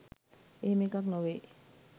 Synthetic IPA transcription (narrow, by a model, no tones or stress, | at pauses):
emekaknɔwe